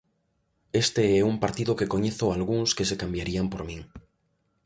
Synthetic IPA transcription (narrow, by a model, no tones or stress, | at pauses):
est̪eeumpaɾt̪iðoke̞ko̞ɲeθoalɣuŋske̞sekambjaɾiampoɾmĩŋ